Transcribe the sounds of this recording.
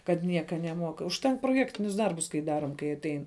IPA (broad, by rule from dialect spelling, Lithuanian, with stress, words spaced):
kɐt ˈnʲiɛkɐ nʲɛˈmuɔk ʊʃʲˈtʲɛŋk proːˈjæːktʲɪnʲʊs ˈdɐrbʊs kɐɪ ˈdɑːroːm kɐɪ ɐˈtʲɛɪn